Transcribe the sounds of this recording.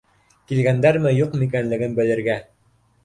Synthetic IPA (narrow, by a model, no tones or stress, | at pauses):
kilɡænd̪æɾmɘjuqmik̬ænlɘ̆ɡɘnbɘ̆lɘ̆ɾɡæ